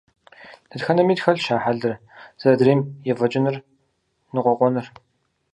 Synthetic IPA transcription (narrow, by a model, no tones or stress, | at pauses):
nɨtxɐnɐmiːtxɐɮʃaːħaɮɨr | z̥ɐɐdriːmjɛvɐt͡ʃʼɪnɨr | nɨqʷɔqʷɔnɨr